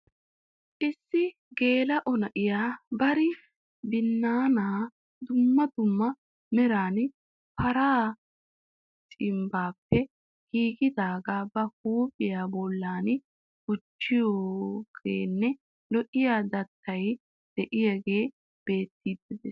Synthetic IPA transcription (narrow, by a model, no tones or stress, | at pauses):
ʔɪsːɪ | ɡe̞ːlɐʔɔnɐʔɪjaːbɐɾɪ | d̪ɪnːaːnaː | d̪ʊmːɐd̪ʊmːɐ | mɛɾaːn | pʰɐɾaː | t͡sʼɪmbaːpːɛ | ɡ̥iːɡɪd̪aːɡabɐk̚uːpʼɪjaːbɔlːaːn | ɡ̥ʊt͡ʃːɪjoːɡ̥ḛːnːɛ | lɔʔɪjaːd̪ɐt̪ʰːɐj | d̪̥ɛʔɪjaɡe̞ː | b̥eːt̪ːiːd̪ːɪd̪ɛs